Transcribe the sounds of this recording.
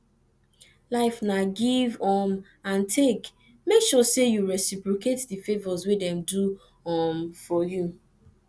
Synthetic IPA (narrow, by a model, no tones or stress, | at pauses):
laɪfnaɡivɔm | ãntʰek | mekʃɔsejuɹɛsipɹoketdifevɔzwedɛ̃mdu | ɔmfɔju